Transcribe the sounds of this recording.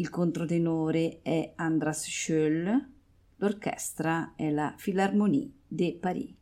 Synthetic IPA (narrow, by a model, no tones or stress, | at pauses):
ilkont̪ɾot̪enoːɾeɛand̪ɾasʃøl | lorkɛ̰st̪ɾaɛlafilarmonḭːd̪epaɾḭ